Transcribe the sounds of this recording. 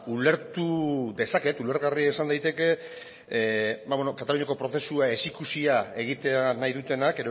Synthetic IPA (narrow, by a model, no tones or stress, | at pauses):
ule̞ɾt̪uðe̞sake̞t̪ule̞ɾɣariaesand̪ajt̪e̞ke̞ | bajβwenokat̪aluɲako̞pɾo̞θe̞suae̞sikusiae̞ɣ̞it̪e̞anajðut̪e̞nakeɾo